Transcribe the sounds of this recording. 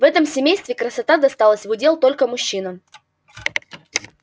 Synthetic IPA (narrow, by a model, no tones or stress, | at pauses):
vɛt̪əmsʲɪmʲejst̪vʲɪkɾəsɐt̪ad̪ɐst̪alˠəsʲvʊdʲe̞lˠt̪o̞lʲkəmʊɕːinə